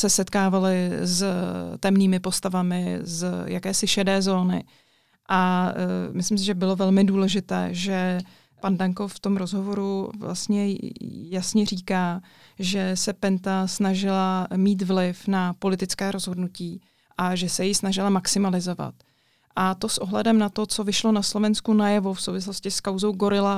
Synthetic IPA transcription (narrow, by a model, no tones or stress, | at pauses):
sɛsɛt̪kaːvalɪzt̪ɛmniːmɪpo̞st̪avamɪzja̰kɛːsɪʃɛdɛːzo̞ːnɪ̰ | ʔa | mɪslɪms̬ɪʒɛbɪlo̞vɛlmɪduːlɛʒɪt̪ɛ̰ːʒɛ | pandaŋko̞ft̪o̞mɾozɦo̞vo̞ɾuvla̰st̪ɲɛjasɲɛriːkaː | ʒɛsɛpɛnt̪asnaʒɪlamiːt̪vlɪfnapo̞lɪt̪ɪt͡skɛːɾo̞zɦo̞dnuciː | ʔaʒɛsɛjɪsnaʒɪlamaksɪmalɪzo̞va̰t̪ | ʔat̪o̞sʔoɦlɛdɛmnat̪o̞t͡sovɪʃlo̞naslo̞vɛnskunajɛvofsowvɪs̬lo̞scɪskawzo̞wɡo̞ɾɪla